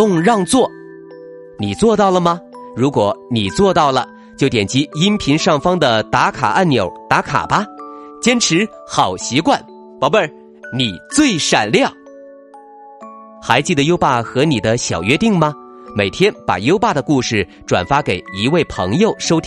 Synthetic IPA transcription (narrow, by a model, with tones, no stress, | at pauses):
ʊ˥˧ŋɻɑ˥˧ŋt͡swɔ˥˩ | ni˨˩t͡swɔ˥˧t̪ɑ˥˩ʊlə˩mɐ˩ɻu˧˥kwɔ˧˩ni˨˩t͡swɔ˥˧t̪ɑ˥˩ʊlə˩ | t͡ɕjo˥˩ʊt̪jɛ˨˩nt͡ɕi˥i˥npʰi˧˥ŋʂɑ˥˩ŋfɑ˥ŋd̪ə˨t̪a˧˥kʰa̰˨˩ʔa˥˩nnjo˨˩˥ʊt̪a˧˥kʰa̰˨˩ba˦t͡ɕjɛ˥nʈ͡ʂʰɻ̩˧˥xɑ˨˩ʊɕi˧˥kwa˥˩n | pɑ˧˥pə˥˧˩ | ni˨˩t͡swe˥˩ɪʂa̰˨˩nljɑ˥˩ŋ | xa˧˥ɪt͡ɕi˥˩d̪ə˩jo˥ʊpa˥˩xɤ˧˥ni˨˩d̪ə˦ɕjɑ˨˩ʊɥɛ˥t̪i˥˩ŋmɐ˩ | me˨˩ɪt̪ʰjɛ˥npa̰˨˩jo˥ʊpa˥˩d̪ə˩ku˥˧ʂɻ̩˥˩ | ʈ͡ʂwa̰˨˩nfa˥ke˨˩ɪi˧˥we˥˩ɪpʰɤ̰˧˥ŋjo˥˧ʊʂo˥ʊt̪ʰ